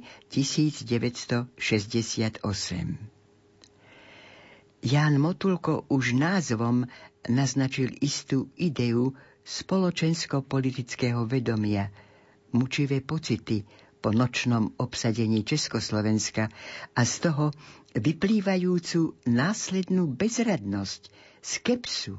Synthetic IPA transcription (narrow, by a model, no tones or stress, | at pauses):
cisiːd͡zɟɛʋɛcst̪ɔʃɛzɟɛsɪat̪ɔsɛ̰m | jaːnmɔt̪ulkɔʔuʒnaːzʋɔmnaznat͡ʃilist̪uːid̪ɛu | spɔlɔt͡ʃɛnskɔpɔlit̪it͡skɛːɦɔʋɛd̪ɔmɪa | mut͡ʃiʋɛːpɔt͡sit̪i | pɔnɔt͡ʃnɔmɔpsaɟɛɲiːt͡ʃɛskɔslɔʋɛnskaast̪ɔɦɔʋipliːʋajuːt͡sunaːslɛd̪nuːbɛzɾad̪nɔsc | skɛpsu